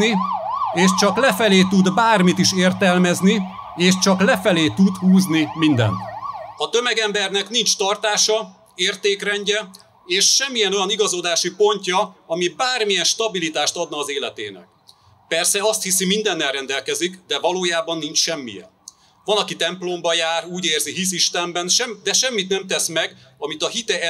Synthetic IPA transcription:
nieːʃt͡ʃɒklɛfɛleːt̪ud̪baːrmit̪iʃeːrt̪ɛlmɛzni | eːʃt͡ʃɒklɛfɛleːt̪ut̪huːznimind̪ɛ̰nt̪ɒt̪ø̞mɛɡɛmbɛrnɛknint͡ʃt̪ɒrt̪aːʃɒ | eːrt̪eːkrɛɲɟɛ | eːʃːɛmːijɛno̞jɒniɡɒzoːd̪aːʃipo̞ɲcɒɒmibaːrmijɛnʃt̪ɒbilit̪aːʃt̪ɒd̪nɒːzeːlɛt̪ḛːnɛ̰k̚ | pɛrsɛɒst̪hisimind̪ɛnːɛlrɛnd̪ɛlkɛzikd̪ɛvɒloːjaːbɒnːint͡ʃʃɛmːḭjɛ̰n | vɒnɒkit̪ɛmplo̞mbɒjaːɾuːɟeːrziɦis̬iʃt̪ɛmbɛnʃɛd̪ɛʃɛmːit̪̚nɛmt̪ɛsmɛɡɒmit̪ɒɦit̪ɛ

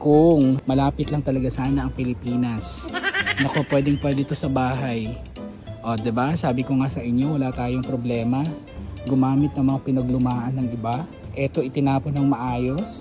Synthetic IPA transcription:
kʊŋmɐlaːpɪt̪lɐŋt̪ɐlɐɡasaːnɐʔɐŋpɪlɪpiːnɐs | nɐko̞pwɛːd̪ɛŋpwɛːd̪ɪt̪o̞sɐbaːɦaj | ʔod̪ɛbasaːbɪkoŋasɐʔɪɲːo̞wɐlaːt̪aːjoŋpɾoblɛːmɐ | ɡʊmaːmɪt̪̚nɐmɐɐpɪnɐɡlʊmaːʔɐnːɐŋɪba | ʔɛt̪o̞ʔɪt̪ɪnaːponɐŋmɐʔaːjo̞s

